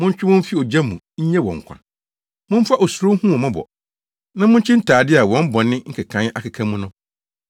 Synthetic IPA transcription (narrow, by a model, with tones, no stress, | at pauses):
mʊ̃˦ɲ˦t͡ɕᶣɪ˦wɔ̃˦m̩˦fi˦ɔ˨d͡ʑa˦mũ˨ɲ̩˦ɲɛ̃˦wɔ̰̃˨ŋ̩˨kʷʰa̰˨ | mʊ̃˦m̩˦fa˦ʔɔ˨su˨ɾo˦hũ˦ɔ˨mã˦bɔ̰˨ | nã˦mʊ̃˦ɲ̩˦t͡ɕʰᶣɪ̃˦n̩˦tʰaː˨dɪ˦a˨wɔ̃˦m̩˦bɔ̃˨nɪ̃˦ŋ̩˦kʰɪ˨kʰã˨˦n˦ʔa˨kʰɪ˨kʰã˦mũ˦nʊ̃˦